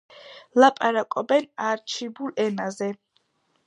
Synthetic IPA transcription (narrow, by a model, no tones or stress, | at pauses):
lapʼaɾakʼɔbɛnaɾt͡ʃʰibulɛnazɛ